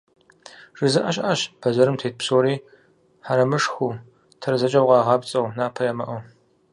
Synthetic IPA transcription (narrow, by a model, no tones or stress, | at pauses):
ʐ̥ɨzɨʔɐɕʼʔaɕpʰɐzɐɾɨmtʰeːt̚psoːɾiː | ħaɾɐmɨʂxʷuː | tʰɐɾzɐt͡ʃʼɐwqɑːʁɑːpt͡sʼɐwnaːpʰɐjɐmɐʔɐ